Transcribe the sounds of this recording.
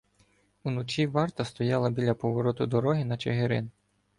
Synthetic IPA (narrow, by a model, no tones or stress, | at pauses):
unɔt͡ʃʲiʋɑrt̪ɐst̪ɔjɑlˠɐbʲilʲɐpɔʋɔɾɔt̪ʊd̪ɔɾɔɦɪnɐt͡ʃeɦeɾɪ̰n